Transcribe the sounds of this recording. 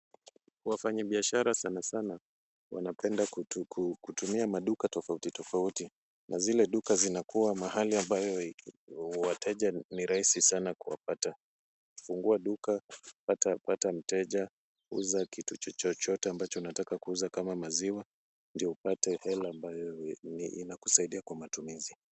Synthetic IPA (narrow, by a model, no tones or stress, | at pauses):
uwafaɲaɓiaʃaɾasanasana | wa̰napɛndakukutumiamaɗukatɔfautitɔfauti | nʔazilɛɗukazinakuwamahaliambajɔ | watʰɛʄaniɾahisisanakuwa̰pata | fuŋɡuaɗukapatapatam̩tɛʄa | ṵzakitut͡ʃɔt͡ʃɔt͡ʃɔtɛambat͡ʃɔunatakakuuzakamamaziwa | ndiɔupatɛhɛlaːmbajɔniʔinaku̥saiɗiakwamatumizi